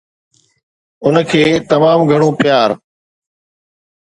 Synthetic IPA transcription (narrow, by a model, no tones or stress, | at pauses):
ʊnkʰeːt̪ɐmaːmɡʱəɽ̃õːpɪjaːɾ